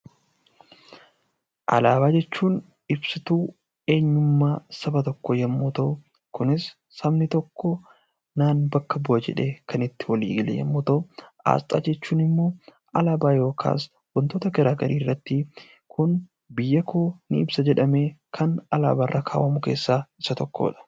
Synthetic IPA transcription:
ʔɐ̰laːbaːd͡ʒɛt͡ʃːuːn | ɪbsɪt̪uː | e̞ːɲːʊmːaːsɐbɐt̪ɔkːɔjɐmːɔt̪o | kʊnɪsː | ɐbnɪt̪ɔkːɔ | naːnbɐkːɐbʊɐd͡ʒɛ̰ᶑe̞ːkʰɐnɪt̪ːɪ̥wɐlḭːɡɪlɛ̰jɐ̰mːɔt̪oʔa̰ːst̪ʼa̰ːd͡ʒɛt͡ʃːuːnɪmːo̞ː | ʔɐlaːbaːjo̞ːkʰa̰ːs | wɐnt̪oːt̪ɐɡɐɾaːɡɐɾiːrːɐt̪ːɪ | kʊn | bɪjːɐkʰoːnɪɪbsɐd͡ʒɛᶑɐme̞ːkʰɐnɐla̰ːbaːrːʔaːkʰa̰ːwʔɐmʊke̞ːsːaːɪsɐt̪ɔkːo̰ːᶑɐ̥

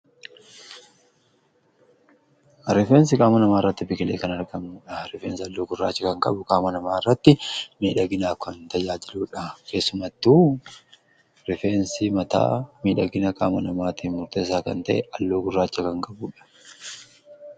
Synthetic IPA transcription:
ɾɪfeːns̬ɪkʼaːmɐnɐmaːɪrːɐt̪ːɪbɪkɪleːkɐnɐɾɡɐmuːᶑɐɾɪfeːnsɪɐlːoːɡʊrːaːt͡ʃːɐkɐŋkʼɐ̰bʊkʼaːmɐnɐmaːɪrːɐt̪ːɪmiːᶑɐɡɪnaːkɐnt̪ɐjaːd͡ʒɪluːᶑɐke̞ːsːʊmɐt̪ːuː | ɾɪfe̞ːnsimɐt̪a̰ːmiːᶑɐɡɪnɐkʼaːmɐnɐmaːt̪iːnmʊɾt̪eːs̬aːkɐ̰nt̪ɐʔɛʔɐlːoːɡʊrːaːt͡ʃːɐkɐŋkʼɐbuːᶑɐ̥

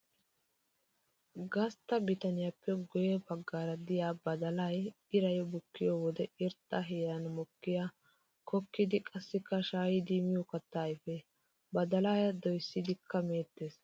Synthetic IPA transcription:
ɡɐst̪ːɐbɪt̪ɐnɪjapːɛɡɔjɛbɐɡːaːɾɐd̪ɪjaːbɐd̪ɐlaj | ɪɾɐjɔbʊkːɪjɔwɔd̪ɛɪɾt̪ʼːɐɦeːɾɐnmʊkːɪja | kɔkːɪd̪ɪkʼɐsːɪkːɐʃaːjɪd̪imɪjɔkɐt̪ːaːjfe | bɐd̪ɐlaːjɐd̪ɔjsːɪd̪ɪkːɐmeːt̪ːeːs

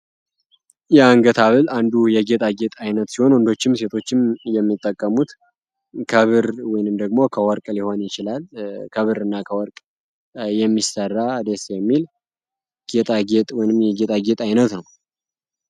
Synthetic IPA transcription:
jɛaŋɡət̪ʰaβɨland̪ujɛɡet̪ʼaɡe̞t̪ʼajnət̪siho̞nwɔnd̪o̞t͡ʃːɪmse̞t̪ʰo̞t͡ʃːɪmjɛmːit̪ʼːəkʼːəmut̪ | kʰəβɨɾwɔjnɨmd̪əɡmo̞kʰəwɔɾkʼliho̞njɪt͡ʃɪlalkʰəβɨɾɨnːakʰəwɔɾkʼ | jɛmːisərːad̪esjɛmːil | ɡ̥et̪ʼaɡet̪ʼwɔjnɨmjɛɡet̪ʼaɡet̪ʼajnət̪nəw

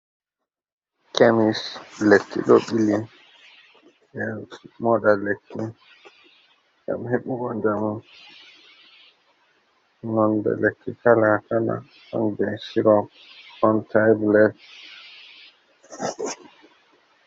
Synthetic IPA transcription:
kʰemislekːḭɗɔɓili | jɛsmɔɗalekʰːi | ɡa̰mheɓuɡɔnd͡ʒamu | nɔnbɛ̰lekːikalakana̰ | a̰nbɛsiɾɔ | ɔntʰajblɛt

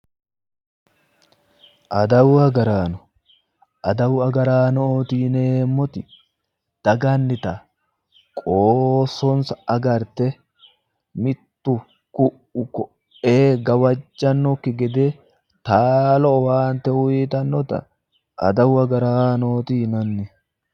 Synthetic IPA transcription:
ʔɐd̪ɐwɐɡɐɾaːnɔ̥ | ʔɐd̪ɐwɐɡɐɾaːnoːt̪iːneːmːɔt̪ɪ | d̪̥ɐɡɐnːɪt̪ɐ | kʼoːsɔnsɐːɡɐɾt̪ɛ | mɪt̪ːʊ | kʊ | ʊkɔ | eːɡɐwɐd͡ʒːɐnːɔkːɪɡɛd̪e | t̪aːlɔɔwaːnt̪ɛʊiːt̪ɐnːɔt̪ɐ̰ | ʔɐ̰d̪ɐwɐɡɐɾaːnoːt̪iːnɐnːɪ

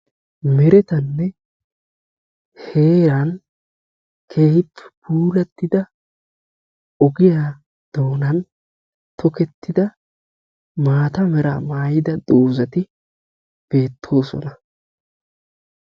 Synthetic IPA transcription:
mɛɾɛt̪ɐnːɛ | he̞ːɾɐn | kʰe̞ːhɪpːɪ̥b̥uːlɐt̪ːɪd̪ɐ | ɔɡɪjaː | d̪̥o̞ːnɐn | t̪ʰɔkɛt̪ːɪd̪ɐ | maːt̪ɐmɛɾa̰ːmaːjɪd̪ɐd̪oːzɐt̪ɪ | b̥e̞ːt̪ʰːo̞ːsɔ̰nɐ

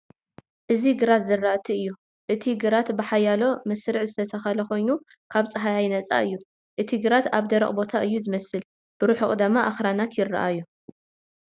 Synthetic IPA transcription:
ʔɨziɡɨɾat̪zɨrːaʔt̪ʰiɨjːu | ʔɨt̪ʰiɡɨɾat̪bɨħajalo̞mɐsɾɨʕzɨt̪ʰɐt̪ʰɐxɐlɐko̞jnu | kʰaβt͡sʼɐɦajajnɐt͡sʼa̰ʔɨjːu | ʔɨt̪ʰiɡɨɾat̪aβd̪ɐɾɐ̰χʼbo̞t̪ʰaʔɨjːuzɨmɐsɨl | b̥ɨɾuħɨkʼd̪ɨmːaʔaxɾanat̪jɪrɐ̰ʔajːu

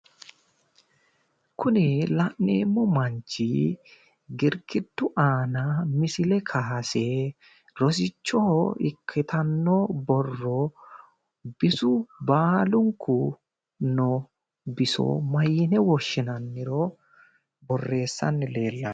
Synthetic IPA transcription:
kʰʊnɪlɐʔneːmːɔmɐɲt͡ʃːi | ɡɪɾkɪd̪ːʊʔaːnɐmɪsɪlɛkʰaːse | ɾɔs̬ɪt͡ʃːɔɪ̰kʰːɪt̪ʰɐnːɔbɔrːɔ | bɪsʊbaːlʊŋkʰːʊ | nɔ | bɪsɔ̰mɐjːɪnɛwɔʃːɪnɐnːɪɾɔ | bɔrːe̞ːsːɐ̰nːɪle̞ːlːɐn

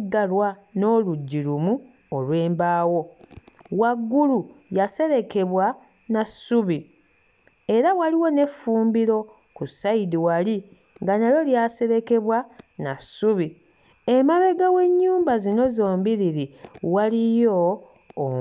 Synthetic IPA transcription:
ɡalwano̞ːluɟːiɾumu | olwe̞ːmbaːwo̞ | waɡːulujase̞ɾe̞ke̞βwa | nasuβi | e̞ɾawaliwo̞ne̞fuːmbiɾo̞ | kusːaidiwali | ŋɡanalo̞ljase̞ɾe̞ke̞βwanasuβi | emaβeɡawe̞ɲːuːmbazino̞zo̞ːmbiɾiɾiwalijoː

